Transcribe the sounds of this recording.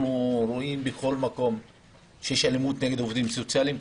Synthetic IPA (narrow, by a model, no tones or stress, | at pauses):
nuɾoimbexo̞lmako̞m | ʃejeʃalemut̪ne̞ɡe̞d̪ovd̪imsot͡sjalim